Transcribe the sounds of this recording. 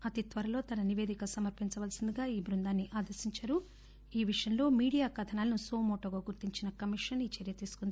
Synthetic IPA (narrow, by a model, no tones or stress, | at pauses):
ɐt̪it̪ʋɐɾɐlo̞ːt̪ɐnɐniʋe̞ːd̪ikɐsɐmɐɾpiɲt͡ʃɐʋɐːlsind̪uɡaːiːbɾund̪aːnːiʔaːd̪ɐɾsiɲt͡ʃɐɾu | iːʋiʂɐjɐnlo̞ːmiːɽijaːkɐd̪ʰɐnaːlɐnusoːmoːʈoːɡaːɡuɾt̪iɲt͡ʃinɐkɐmiʂɐniːt͡ʃeːɾijɐt̪iːsu̥kund̪ii